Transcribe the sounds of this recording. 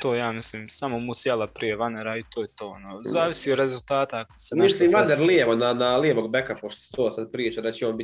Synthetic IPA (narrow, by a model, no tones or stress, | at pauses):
t̪oːjaːmisliːmsamomusjelapɾije̞ʋaneɾait̪oːjet̪oːo̰nozaːʋisiod̪ɾe̞zulˠt̪aːt̪akad̪semislˠiːmʋaneɾlieʋonanalieʋoɡbekapoʃt̪o̥se̥t̪oːsad̪̚pɾiːt͡ʃad̪at͡ɕeoːnbi